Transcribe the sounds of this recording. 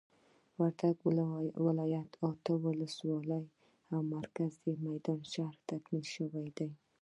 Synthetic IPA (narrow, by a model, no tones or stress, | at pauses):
vaɾt̪ʰakvɪlɒjat̪ʰɒt̪ʰawolɪswɒlaj | hamːaɾkʲʰazimajd̪ɒnʃahɾt̪ʰakʲmɪlʃavajd̪aj